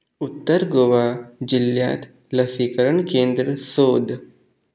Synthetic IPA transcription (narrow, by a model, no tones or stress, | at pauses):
ut̪ːɐɾɡoʋaːd͡ʒilja̰ːt̪ʰ | lɐsikɐɾɐɳkeːnd̪ɾəsoːd̪ʱ